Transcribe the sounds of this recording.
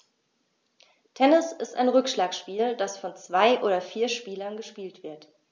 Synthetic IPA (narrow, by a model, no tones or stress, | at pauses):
tʰɛnɪsɪsta̰ɪnʁʏkʃlaːkʃpiːldasfɔnt͡sv̥aɪʔoːɾɐfiːɐʃpiːlɐnɡəʃpiːltv̥ɪɐt